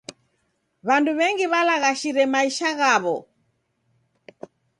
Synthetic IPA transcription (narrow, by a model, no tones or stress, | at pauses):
βanduβɛŋɡiβalaɣaʃiɾɛmaiʃaɣaβɔ̰